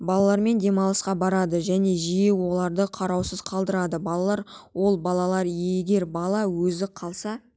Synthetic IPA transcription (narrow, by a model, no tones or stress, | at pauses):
bɑlˠɑlˠɑɾme̞nd̪e̞mɑlˠəsqɑbɑɾɑd̪əʒæne̞ʒijewo̞lˠɑɾd̪əqʰɑɾɑwsəz̥qʰɑlˠd̪əɾɑd̪əbɑlˠɑlˠɑɾwo̞lˠbɑlˠɑlˠɑɾjeɡʲe̞ɾbɑlˠɑwɵzɪqʰɑlˠsɑ